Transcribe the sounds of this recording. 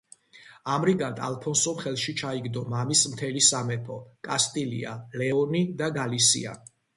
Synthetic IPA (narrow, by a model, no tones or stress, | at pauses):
amɾiɡant̪ʼa̰lˠpʰɔnsɔmχɛlˠʃit͡ʃʰaiɡd̪ɔmamismt̪ʰɛlisamɛpʰɔkʼast̪ʼilḭa̰lɛɔnid̪aɡalisḭa̰